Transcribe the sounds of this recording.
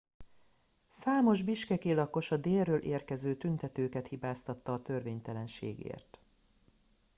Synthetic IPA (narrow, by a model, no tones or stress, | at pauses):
saːmo̞ʒbiʃkɛkeːlɒko̞ʃɒd̪eːrøːlʔeːrkɛzøːt̪ynt̪ɛt̪øːkɛt̪hibaːst̪ɒt̪ːɒːt̪ø̞rveːɲt̪ɛlɛnʃḛːɡḛːrt̪